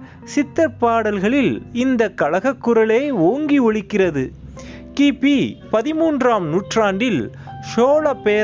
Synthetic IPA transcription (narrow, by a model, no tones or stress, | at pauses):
sɪt̪ːɐpːaːɽɐlɣɐɭɪlɪnd̪ɐkːɐɻɐɣɐkːʊɾɐleɪoːŋɡiʊɻɪkːɪrɐðɯkiːpːipɐðɪmuːndraːmnuːʈraːɳɖɪlʂoːlɐpːeː